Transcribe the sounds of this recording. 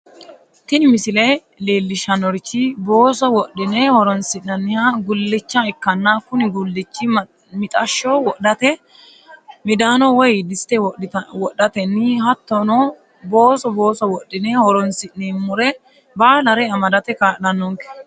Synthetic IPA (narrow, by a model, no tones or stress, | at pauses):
t̪ɪnɪmɪsɪlɛj | le̞ːlːɪʃɐnɔɾt͡ʃːɪbo̞ːsɔwɔɗːɪnɛhɔɾɔnsɪʔnɐnːɪhaɡʊlːɪt͡ʃːɐɛkːɐnːaːkʊnɪɡʊlːɪt͡ʃːɪ | mɪt̪ʼɐʃːɔwɔʔɐt̪ɛ | mɪd̪aːnɔwɔjd̪ɪst̪ɛwɔɗːɐt̪ɛnːɪɦɐt̪ːɔnɔ | boːsɔbo̞ːsɔwɔɗːɪnɛhɔɾɔnsɪʔneːmʊɾɛ | baːlɐɾɛɐmɐd̪ɐt̪ɛkaːʔnɐnːɔŋkɛ̥